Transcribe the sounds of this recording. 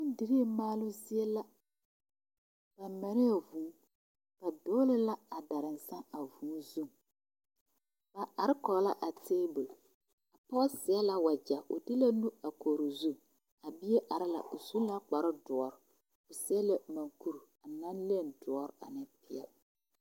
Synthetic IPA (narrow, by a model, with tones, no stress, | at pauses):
nɪ˦n˦di˨ɾi˦maː˦lʊ˦zi˦e˦la˦ | b̥a˨ma˨nɪ˦a˨vũː˨˦ | b̥a˨doː˦lɪ˦la˦a˨da˨ɾɪ˨n˨sa˦a˨vũː˨˦zu˦ŋ | b̥a˨a˨ɾɪ˦kɔ˨˦la˦ʔa˨teː˦bo˨l | a˨pɔ˦sɪ˨ɛ˦la˦wa˨d͡ʒa˨ʔʊ̰˨dɪ˦la˦nu˦a˨koː˨ɾo˨zu˦˨ŋ | a˨bi˦e˦ʔa˨ɾɪ˦la̰˨ʔʊ˨zu˦la˦k͡pa˨ɾɪ˦dʊ˨ɔ˨ɾ | ʊ˨sɪ˦ɛ˦la˦ma˨ŋku˦ɾa˨na˦nli˦e˦˨ndʊ˨ɔ˦ɾa̰˨nɪ˦pɪ˦a˨